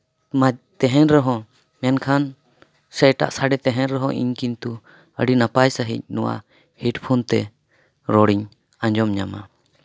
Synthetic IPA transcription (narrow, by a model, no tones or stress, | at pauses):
mat̪ɛɦɛ̃ɾɾɛɦɔ̃ | mɛnkʰan | sɛjʈa̰ʔsaɖɛt̪ɛɦɛ̃ɾɾɛɦɔ̃ʔḭɲkint̪u | ə̰ɖinapajsəɦḭc̚nɔwa̰ | hiʈpʰunt̪ɛ | ɾɔɽiɲ | aɲd͡ʒɔmɲa̰ma̰